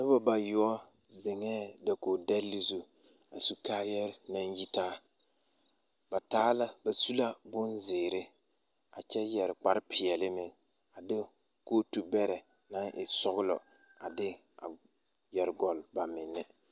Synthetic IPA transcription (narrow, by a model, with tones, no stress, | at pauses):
nɪ˦ba˦ba˨jʊ˦ɔ˦ | zɪ˨ŋɛː˦da˨ko˨dɛ˦lːi˦zu˦ | a˨su˨kaː˦jɛ˦ɾna˦n˦ji˦taː˦ | ba˨taː˦la˦ba˨su˦la˦bʊ˦nzɪː˨ɾɪ˦ | a˨t͡ʃɛ˦jɛ˨ɾɪ˨k͡pa˨ɾɪ˦pʰɪ˨ɛ˨lɪ˦mɪ˨ŋ | a˨dɪ˦ | koː˦tu˨bɛ˦ɾɛ˨ | na˦ʔɪ˨sɔ˦ɣʊ˦lɔ̰˨ | a̰˨dɪ˦ | a̰˨ | jɛ˨ɾɡɔ˨lba˨mɪ˨nːɪ˦